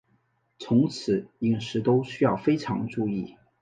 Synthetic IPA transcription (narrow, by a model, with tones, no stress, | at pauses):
t͡sʰʊ˧˥ŋt͡sʰɹ̩˨˩˦i˥˩ŋʂɻ̩˧˥t̪o˥ʊɕy˥jɑ˥˩ʊfe˥ɪʈ͡ʂʰɑ̰˧˥ŋʈ͡ʂu˥˧i˥˩